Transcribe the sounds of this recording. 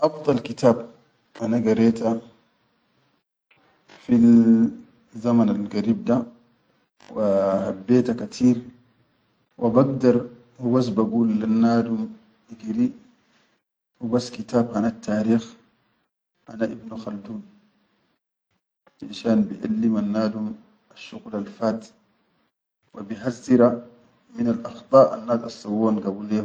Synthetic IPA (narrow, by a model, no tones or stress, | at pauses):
ʔɑfd̪ˤɑlkit̪aːb | hanaɡaɾeːt̪a | fi | zamanalɡaɾiːb̚d̪a | wahabːeːt̪akat̪ʰiːɾ | wʔibaɡd̪ɑɾˤ | hubas̬baɡuːlːanːaːd̪um | ʔiɡɾi | wubasːkit̪aːbhanat̪ʰːaːɾiːx | ʔanaʔibnuxald̪uːn | ʔinʃaːnbiʔa̰lːimanːaːd̪um | aʃːuɣlalfaːt̪ | wabiɦazːiɾa | minalʔɑxt̪ˤɑːʔa̰nːaːd̪ɑsˤːɑwːaːnɡabule